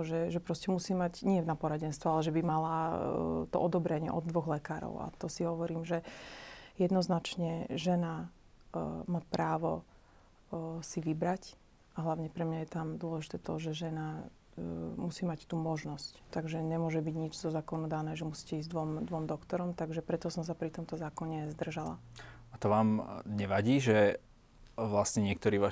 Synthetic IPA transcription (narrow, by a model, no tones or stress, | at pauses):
ɔʒɛʒɛpɾɔscɛmusiːmaɟɲɪɛnapɔɾaɟɛnst̪ʋɔalɛʒɛbimala | t̪ɔ̰ʔɔd̪ɔbɾɛɲɪɛ̰ʔɔd̪ːʋɔɣlɛkaːɾɔ̰ʊa̰t̪ɔsiɦɔʋɔɾiːmʒɛ | jɛd̪nɔznat͡ʃɲɛʒɛna | macpɾaːʋɔ | siʋibɾac | ʔaɦlaʊɲɛpɾɛmɲajɛt̪amd̪ʊɔlɛʒit̪ɛt̪ɔʒɛʒɛna | musiːmact̪uːmɔʒnɔsct̪aɡʒɛɲɛmʊɔʒɛbiɟɲid͡ʒzɔzaːkɔnud̪anɛːʒɛmusi̥ːcɛizd̪ʋɔmd̪ʋɔmd̪ɔkt̪ɔɾɔmt̪aɡʒɛpɾɛt̪ɔsɔmsapɾit̪ɔmt̪ɔzaːkɔɲɛzd̪r̩ʒala̰at̪ɔʋaːmɲɛʋaɟiːʒɛ | ʋlasɲɛɲɪɛk̚t̪ɔɾiːʋaː